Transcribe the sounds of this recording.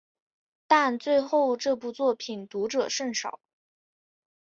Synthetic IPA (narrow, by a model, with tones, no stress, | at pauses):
t̪a˥˧nt͡swe˥˧ɪxo˥˧ʊʈ͡ʂɤ˥˧pu˥˧t͡swɔ˥˩pʰi˨˩nt̪u˧˥ʈ͡ʂɤ˨˩ʂə˥˩ŋʂɑ˨˩˦ʊ